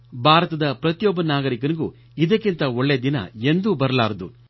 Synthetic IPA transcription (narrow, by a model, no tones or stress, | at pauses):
bʱaːɾɐt̪ɐd̪ɐpɾɐt̪jɔːbɐnaːɡɐɾikɐniɡu | id̪ɐkːint̪ɐoɭːejd̪inɐ̰end̪ubɐɾɐlaːɾɐd̪u